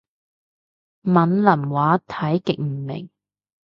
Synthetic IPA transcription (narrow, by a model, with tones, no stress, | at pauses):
mɐ˨˥nlɐ˨˩mwaː˨˥t̪ʰɐ˨˥jkɪ˨k̚m̩˨˩mɪ̰˨˩ŋ